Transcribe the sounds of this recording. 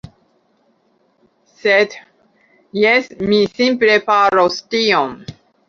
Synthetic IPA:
sed̪ | jesmisimplepaɾostiom

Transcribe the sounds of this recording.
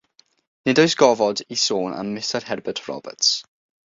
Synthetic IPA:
nɪdɔjsɡ̥ɔvɔdisoːna̰mːɪstərhɛrbətʰrɔ̰bə̰ts

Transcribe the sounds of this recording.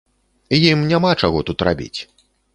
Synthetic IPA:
jimnʲamat͡ʂaɣɔt̪ut̪ra̰bʲḭt͡sʲ

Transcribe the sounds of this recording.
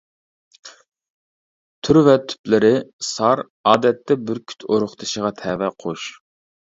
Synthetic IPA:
t̪ʰyɾvɛt̪ʰːy̥plɪɾɪsɑɾ | ɑːd̪ɛt̪ːɛbɪɾkʲʰy̥t̪ʰoɾʊχt̪ʰɨʃəʁɑt̪ʰɛvɛqʰoʃ

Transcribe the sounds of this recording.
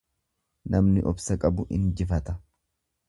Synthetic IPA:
nʔɐmnɪʔɔbsɐkʼɐbʊʔɪ̰nd͡ʒɪfɐt̪ɐ

